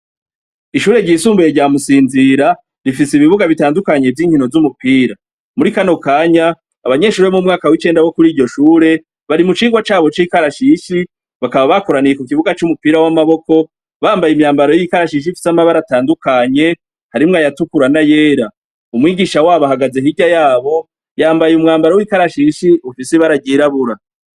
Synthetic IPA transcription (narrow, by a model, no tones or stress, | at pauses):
iʃuːɾe̞ɾɟiːsuːmbujeɾɟaːmusiːnziɾa | ɾifisiβiβuɡaβitaːndukaɲe̞vjiːŋhino̞zumupiːɾa | muɾikano̞kaːɲaː | βaɲe̞ʃuːɾemumŋaːkawit͡ʃe̞ːndawo̞kuɾiːɾɟo̞ʃuːɾe̞ | βaɾimut͡ʃiːŋɡwat͡ʃaːβo̞t͡ʃiːkaɾaʃiʃi | βakaβaβako̞ɾaniekukiβuɡat͡ʃumupiɾawamaβo̞ko̞ | βaːmbajimɲaːmbaɾojiikaɾaʃiʃ̬ifi̥samaβaɾataːndukaɲe̞ | haɾimŋajatukuɾanajeːɾa | umwiːɡiʃawaːβaɦaɡazeɦiɟajaːβo̞ | jaːmbajumŋaːmbaɾawiːkaɾaʃiːʃiufiseβaɾaɟiɾaβuɾa